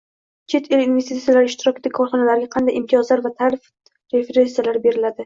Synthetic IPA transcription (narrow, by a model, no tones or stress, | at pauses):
t͡ʃʰe̞t̪ʰɪlinvest̪it̪sijalaɾɪʃt̪ɪɾɒkʲd̪akʰɒɾχɒnalaɾɡʲaqʰɑnd̪ajɪmt̪ʰijɒzlaɾvat̪ʰaɾɪf | ɾe̞feɾentsijalaɾbe̞ɾɪlad̪ɪ